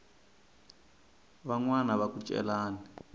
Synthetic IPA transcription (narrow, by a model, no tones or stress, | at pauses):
βaŋwanaβakut͡ʃʼɛ̰laːni